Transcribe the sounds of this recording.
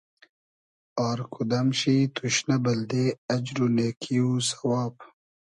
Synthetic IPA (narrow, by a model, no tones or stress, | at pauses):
aːɾkʰud̪ɐmɕit̪ʰuɕnabɐld̪eɐd͡ʒɾuneːkʰiusɐwɑːp